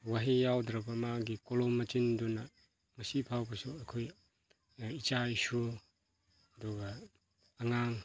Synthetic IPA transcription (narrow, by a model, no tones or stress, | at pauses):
waɦijawdɾɐbɐmaɡikolomːɐt͡ʃindunɐ | mɐsipʰawbɐsuɐkʰoj | it͡ʃaisu | ɐduɡɐː | ŋaŋ